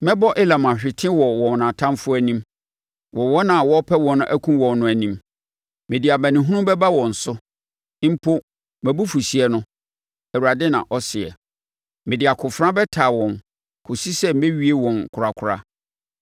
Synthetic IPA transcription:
mɛ̃˦bɔ˦ʔɪ˦la˨mã˨ɕᶣɪ˨tʰɪ̃˦wɔ˨wɔ̃˨wnã˨tʰã˦mfʊ˦æ˦nĩ˦m | wʔɔ˨wɔ˦nã˨wɔ˦pʰɛ˦wɔ̃˨ñ˦ʔæ̰˦kʰũ˦wɔ̃˨nːʊ̃˦æ˨nĩ˦m | mɪ̃˨di˨a˨bæ̃˨nɪ̃˨ɦʊ̃˦ʊ̃˦bɛ˦ba˦wɔ̃˨n̩˨sʊ˦ | m̩˦pʰo˦ | mɛ̃˨bu˦fu˨si˨ɛ˦nʊ̃˦ | æ˨wa˨dɪ˦nã̰˨ʔɔ˦sɪ˨ɛ̰˨ | mɪ̃˨di˨a˨kʰʊ˨fɾã˦bɛ˦tʰaː˨wɔ̃˨n | kʰʊ˨si˦sɛ˦m̩˦mẽ˦ɥi˦e˦wɔ̃˨nkʰʊ˨ɾa˨kʷʰʊ˨ɾa̰˦

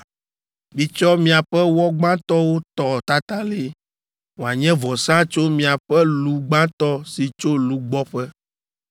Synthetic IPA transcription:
bi˨t͡ʃɔ˦mĩ˦a˨ɸɛ˦wɔ˦ɡ͡bã˦t̪ɔ˦wo˦t̪ɔ˨t̪a˦t̪a˦le˦ | wo˨a˨ɲɛ̃˦vɔ˨sã˦t͡ʃo˦mĩ˨a˨ɸɛ˦lu˨ɡ͡bã˦t̪ɔ˦si˨t͡ʃo˦lu˨ɡ͡bɔ˦ɸɛ˦

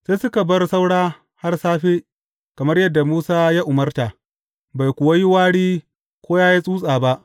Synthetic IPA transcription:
sa˦sʊ˦ka˨bɐ˦rsa˦wɽaː˦ | ha˦rsaː˦ɸeː˦ | kɐ˨mɐ˦rjɐ˦dːa˨muː˦saː˦ja˦ʔʊ˨mɐ˦rtaː˨ | ba˨jkʷʊ˨wa˦jɪ˦waː˦ɽiː˦ | kʷoː˦jaː˦ja˦sʼuː˦sʼaː˨ba˦ʔ

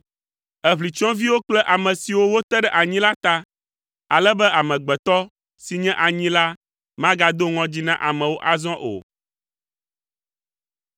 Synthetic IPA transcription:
ɛ˦βli˨t͡ʃɔ̃˦vi˦wo˦k͡plɛ˦ʔa˨mɛ̃˨si˨wo˦wo˦t̪ɛ˦ɖɛ˦ʔa˨ɲĩ˦la˦t̪a˦ | a˨lɛ˦bɛ˦a˨mɛ̃˨ɡ͡bɛ˨t̪ɔ˦ | si˨ɲɛ̃˦ʔa˨ɲĩ˦la˦ | mã˦ɡa˨d̪o˦ŋɔ̃˦d͡ʑi˦nã˦ʔa˨mɛ̃˨wo˦ʔa˨zɔ̃˦ʔo̰˨

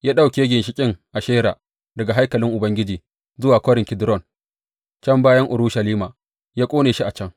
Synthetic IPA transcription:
jaː˦ɗa˦˨wkʲeː˦ɡʲɪ˨nʃɪ˦kʲʼɪ˦ŋʔa˨ʃeː˦ɾa̰ː˨ | dɐ˨ɡa˨ɦa˦jkɐ˨lɪ˦ŋʔʊ˨bɐ˦ŋɡʲɪ˦d͡ʒiː˨ | zʊ˦waː˨kʷoː˦ɾɪ˨ŋkʲɪ˨dɾɔ˦˨n | t͡ʃɐ˦mbaː˦jɐ˦ŋʔʊ˨ɾuː˦ʃɐ˨liː˦maː˨ | jaː˦kʷʼoː˦neː˨ʃi˦ʔa˨t͡ʃɐ˦ŋ

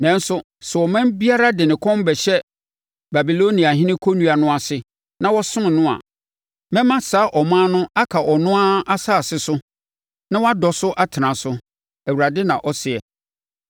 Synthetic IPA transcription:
nɛ̃˦n˦sʊ˨ | sɛ˨wɔ˨mɛ̃˦mbi˦a˦ɾa˦dɪ˨nɪ̃˨kʰɔ̃˦mbɛ˨ɕɛ˦ | ba˨bi˨lo˦nĩ˨a˨ɦɪ̃˦nɪ̃˦kʰo˦nũ˦a˨nʊ̃˦a˨sɪ˨ | nã˦wɔ˦sʊ̃˦n˨nʊ̃˦a̰˨ | mɛ̃˦mã˦saː˨˦ʔɔ˨mãː˦nʊ̃˦a˦kʰa˨ʔɔ˨nʊ̃˦a˦a˦saː˦˨sɪ˨sʊ˦ | nã˦wa˦dɔ˨sʊ˦ʔa˦tʰɪ˨nã˨sʊ˦ | æ˨wu˨ɾa˨dɪ˦nã˨ʔɔ˦sɪ˨ɛ˨

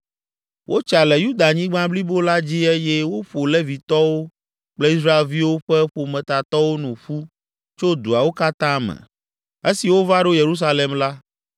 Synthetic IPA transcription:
wʔo˦t͡ʃa˨lɛ˨ju˦d̪a˨ɲĩ˦ɡ͡bã˦bli˦bo˦la˦d͡ʑi˦e˦jɛ˦wo˦ɸo˨lɛ˦vi˨t̪ɔ˦wo˦ | k͡plɛ˦i˦s̬ɾa˦e˨lvi˦wo˦ɸɛ˦ɸo˨mɛ̃˨t̪a˨t̪ɔ˦wo˦nũ˨ɸu˦ | t͡ʃo˦d̪u˨a˨wo˦ka˦t̪ã˦mɛ̰̃˨ | e˦si˨wo˦va˦ɖo˦je˨ɾu˦s̬a˦le˨mla˦

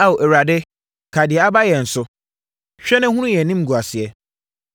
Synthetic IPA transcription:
a˦wo˨ʔɛ˨ɾa˨dɪ˦ | kʰa˨dɪ˨ɛ˨a˦ba˦jɛ˨n̩˨sʊ˦ | ɕᶣɛ˦nɪ̃˦hʊ̃˦ũ˦jɛ˨nĩ˦m˦ɡu˨a˨sɪ˨ɛ˦

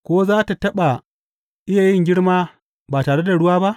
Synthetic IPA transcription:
kʷoː˦zaː˦ta˨tɐ˦ɓa˨ | ʔɪ˦jaː˨jɪ˦ŋɡʲɪ˦ɽmaː˦ | baː˨taː˨ɽe˦da˨ɽʊ˦waː˦ba˦ʔ

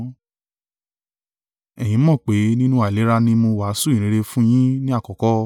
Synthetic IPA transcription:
ɛ˨j̃ĩ˨˦mɔ̃˦˨k͡pe˨˦nĩ˦nũ˦a˦˨le˨˦ɾa˧nĩ˧˦mo˧wa˨˦su˦˨ĩ˨ɾ̃ĩ˧ɾe˧fũ˦j̃ĩ˦nĩ˦a˦˨kɔ˨kɔ˦

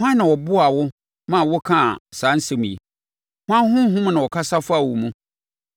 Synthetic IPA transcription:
hʷã˦nã˨wɔ˨bʊ˦a˨wʊ˦ | mã˦˨wʊ˦kʰã˦˨sã˨˦n̩˦sɪ˦mĩ˨i˨ | hʊ˦ã˦ɦʊ̃˦ɦʊ̃˦m˦nã˨wɔ˨kʰa˦sa˦fa˨wu˨mũ˦

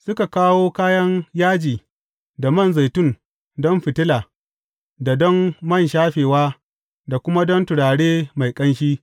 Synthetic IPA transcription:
sʊ˦ka˨kaː˦woː˦kaː˦jɐ˦ŋjaː˦d͡ʒiː˨ | da˨mɐ˦nza˨jtʊ˦˨n | dɔ˦mɸɪ˨tɪ˦laː˨ | da˨dɔ˦mːɐ˦˨nʃaː˦ɸeː˨waː˦ | da˨kʷʊ˦ma˦dɔ˦ntʊ˨ɽaː˨ɽeː˦ma˨jkʼɐ˦nʃiː˦

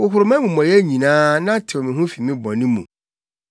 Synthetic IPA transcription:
wʊ˨ɦʊ˨ɾʊ˨˦mã˦mũ˨mɔ̃˨ɾɪ˦æ˦ɲĩ˨nãː˦nã˦tʰɪ˨ɔ˨mɪ̃˨ɦʊ̃˦fi˨mɪ̃˦bɔ̃˨nĩ˦mṵ̃˨

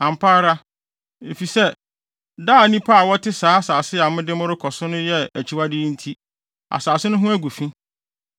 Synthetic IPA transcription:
ã˨mpʰa˦ɾa˦ | e˨fi˨sɛ˦ | daː˦˨˦nĩ˦pʰa˦a˨wɔ˦tʰɪ˦saː˨˦a˦saː˨sɪ˦a˨mʊ̃˦dɪ˦mʊ̃˦ɾʊ˦kʰɔ˨sʊ˦nʊ̃˦jɛ˦æ˨t͡ɕʰi˨wa˦dɪː˦n̩˦tʰi˦ | a̰˨saː˨sɪ˦nʊ̃˦ɦʊ̃˦æ˦ɡʷu˨fĩ˦

